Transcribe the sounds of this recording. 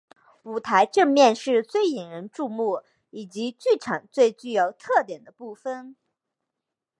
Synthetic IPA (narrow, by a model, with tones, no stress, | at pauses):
u˨˩t̪ʰa˧˥ɪʈ͡ʂɤ˥˧ŋmjɛ˥˧nʂɻ̩˥˧t͡swe˥˩ɪi˨˩ŋɻə˧˥nʈ͡ʂu˥˧mu˥˩ | i˨˩t͡ɕi˧˥t͡ɕy˥˩ʈ͡ʂʰɑ˨˩˦ŋt͡swe˥˧ɪt͡ɕy˥˩jo˧˥ʊt̪ʰɤ˥˩t̪jɛ˨˩nd̪ə˦pu˥˩fə˥˧n